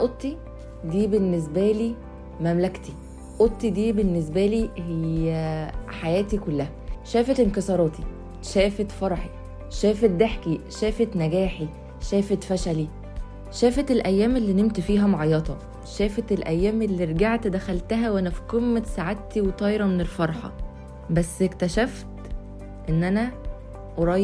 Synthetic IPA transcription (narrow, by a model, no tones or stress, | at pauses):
æʔot̪ːi | d̪iːbenːes̬bæliː | mæmlækt̪i | ʔot̪ːid̪iːbenːes̬bæliːhejːæħajæːt̪ikolːæhæʃæːfet̪enkesˤɑɾˤɑːt̪i | ʃæːfet̪fɑɾˤħi | ʃæːfet̪̚d̪eħkiʃæːfet̪næɡæːħi | ʃæːfet̪fæʃæli | ʃæːfet̪elʔæjːæːmelːiːnemt̪fiːɦæmoʕɑjːɑt̪ˤɑ | ʃæːfet̪elʔæjːæːmelːiːɾˤɡaʕt̪d̪æxælt̪æɦæwʔænæfi̥qemːæt̪saʕat̪ːiwet̪ˤɑːjɾˤɑmenelfɑɾˤħɑ̰ | bæsːekt̪æʃæft̪ | ʔenːʔænæ | ʔoɾˤɑj